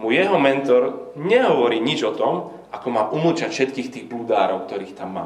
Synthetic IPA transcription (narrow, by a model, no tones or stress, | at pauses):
mujɛɦɔmɛnt̪ɔɾɲɛɦɔʋɔɾiːɲid͡ʒɔt̪ɔm | ʔakɔmaːʔuml̩t͡ʃacfʃɛt̪kiːxt̪iːɣbluːd̪aːɾɔʊk̚t̪ɔɾiːxt̪amːa̰ː